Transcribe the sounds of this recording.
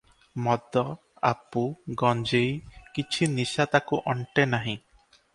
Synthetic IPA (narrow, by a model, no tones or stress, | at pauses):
mɔd̪ɔ | a̰puɡɔnd͡ʒejkit͡ʃʰinisat̪akuʔɔɳʈenaɦĩ